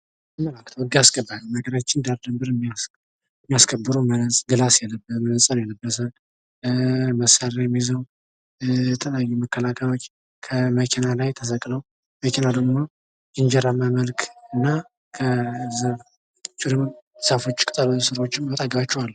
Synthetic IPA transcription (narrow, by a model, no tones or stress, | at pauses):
məlakt̪ʰəwɨd̪ijasɡ̥əbːalunəɡəɾat͡ʃːɪnd̪aɾd̪ɨmbɨɾm | mːijaskʰəbːɨɾomənsʼɡɨlasjɛlːəbəmənəsʼanjɛlːəbːət̪ʰən | məsaɾajɛmːizəw | jɛt̪ʰəljajːuməkʰːəlakʰəjao̞t͡ʃː | kʰəməkʰenalajt̪ʰəsəkʼləw | məkʰenad̪əɡmo̞ | jɪnd͡ʒɛɾaməməlkʰɨnːa | kʰəz | t͡ʃʼɪɾɨmsafo̞t͡ʃːkʼɨt̪ʼəlosɨɾwo̞t͡ʃːɪmbət̪ʼaɡəβat͡ʃːɛwalːə